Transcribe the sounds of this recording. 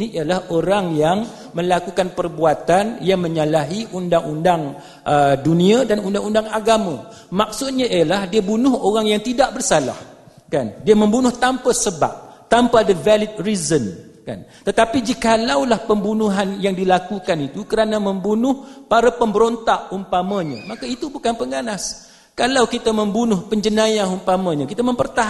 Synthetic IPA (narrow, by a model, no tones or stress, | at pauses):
niialahʔoɾaŋjaŋ | mə̃lakukanpərbuat̪anjaŋmə̃ɲalaɦiʔundaŋundaŋ | ʔədunĩãdanundaŋundaŋaɡamã | mak̚sʊt̪̚ɲãʔiəlahdiabunʊɦoɾaŋjaŋt̪idaʔ̚bərsala̰h | kandiamə̃mbunʊht̪ampasəba̰p̚t̪ampadəvalit̪̚rizənka̰nt̪ət̪apid͡ʒikalawlahpəmbunuɦanjaŋdilakukanit̪ukəɾanãmə̃mbunʊhpaɾapəmbəɾont̪aʔ̚humpamãɲã̰makait̪ubukanpəŋanas | kalawkit̪aməmbunʊhpəɲd͡ʒənãjaɦumpamãɲãkit̪amə̃mpərt̪aɦ